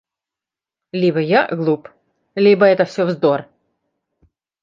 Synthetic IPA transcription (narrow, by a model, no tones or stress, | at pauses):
lʲibəjaɡlˠup | lʲibəɛt̪əfsʲovzd̪or